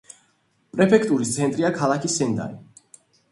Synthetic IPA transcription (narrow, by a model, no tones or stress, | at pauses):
pʼɾɛpʰɛk̚ʰt̪ʼuɾist̪sʰɛnt̪ʼɾiakʰalˠakʰisɛnd̪a̰ɾi